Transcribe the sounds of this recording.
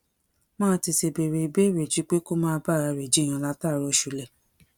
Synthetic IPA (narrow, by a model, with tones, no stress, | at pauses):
mãː˦ti˧se˧be˨ɾe˧i˨be˦˨ɾe˨d͡ʒi˨˦k͡pe˦ko˦mãː˦˧ba˦˨ɾa˧˨ɾe˨d͡ʒi˨˦j̃ã˧˨la˦ta˦˨ɾo˧˦ʃu˧lɛ˨